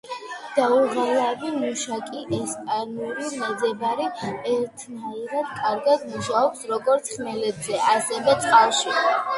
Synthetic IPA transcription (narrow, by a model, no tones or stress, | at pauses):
d̪̥auʁalˠavimuʃakʼiʔɛspʼanulimɛd̪zɛbaɾiɛɾt̪ʰnaiɾad̪kʼaɾɡad̪muʃaɔpsɾɔɡɔɾt̪sʰχmɛlɛbzɛʔasɛvɛt̪sʼqʼalˠʃi